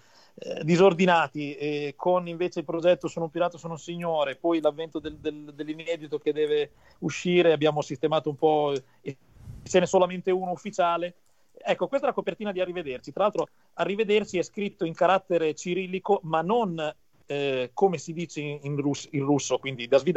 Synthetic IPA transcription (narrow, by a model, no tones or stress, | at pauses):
ɛd̪izord̪inaːt̪iɛkʰoniɱveːt͡ʃeilpɾod͡ʒɛt̪ːosoːnoumpiɾaːt̪osoːnousiɲːoːɾepɔjlavːɛnt̪od̪eld̪eld̪elːinɛːd̪it̪oked̪ːɛːve | uʃːiːɾeabːjaːmosist̪emaːt̪oumpɔ | e | t͡ʃɛnɛsolament̪euːnoufːit͡ʃaːle | ɛkːokwest̪ɛlakopert̪iːnad̪iarːived̪ersit̪ɾalalt̪ɾo | arːived̪ersiɛskɾit̪ːoiŋkaɾat̪ːeɾet͡ʃiɾiːlikomanːon | komesid̪iːt͡ʃeinrusinrusːokwind̪id̪azvid̪